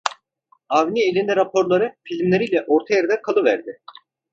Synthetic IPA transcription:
avnʲiilʲind̪ɛɾapʰo̞ɾlˠaɾɯfilʲmlʲe̞ɾijlʲɛʔo̞ɾt̪ʰajaɾad̪ɛkʰalˠɯvæ̰ɾd̪ɪ

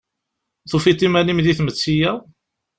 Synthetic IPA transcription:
θufit̪ːimænimðiθmət͡sːijæ

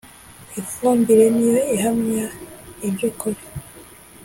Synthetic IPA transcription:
ifuːmbiɾe̞nijo̞iɦamɲaibjokuɾe

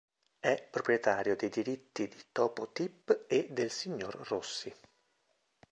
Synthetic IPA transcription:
ɛpːɾopɾjet̪aːɾjod̪ejd̪iɾit̪ːid̪it̪ɔːpot̪ipːed̪ːelsiɲːorrosːi

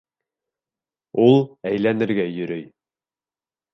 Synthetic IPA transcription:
ulˠæjlænɘ̆ɾɡæjɵ̆ɾɵj

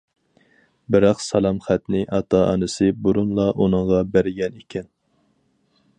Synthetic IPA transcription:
bɪɾɑqsɑlˠɑmχæt̪nɪʔɑt̪ʰɑɑ̰nɨsɨbuɾunlˠɑʔunɨŋʁɑbæɾɪɡʲɛnikʲʰɛn

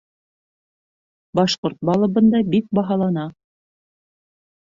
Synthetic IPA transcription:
bɑʃqoɾt̪̚bɑlˠɤ̆βɤ̆nd̪ɑbik̚bɑɦɑlˠɑnɑ

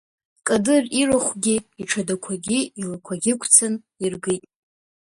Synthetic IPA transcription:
kʼadɨriraχʷɡʲiiʈ͡ʂʰadakʷʰaɡʲiilakʷʰaɡʲɪkʷʰt͡sʰan | irɡɨjtʼ

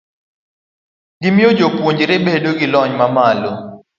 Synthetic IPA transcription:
ɡɪmjod͡ʒopwoɲd͡ʒɾebedoɡɪlɔɲmamalɔ

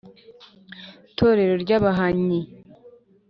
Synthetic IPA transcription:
tʰo̞ːɾe̞ɾo̞ɾɟaβaɦaɲi

